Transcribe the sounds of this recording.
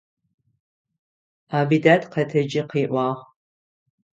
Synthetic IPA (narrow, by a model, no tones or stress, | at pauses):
aːbidaːtqɐtʰɐd͡ʒɪqiːʔʷɑːʁ